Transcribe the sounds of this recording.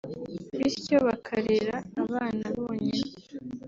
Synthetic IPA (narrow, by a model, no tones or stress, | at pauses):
βiɾco̞βakʰaɾeɾaːβaːnaβoːɲen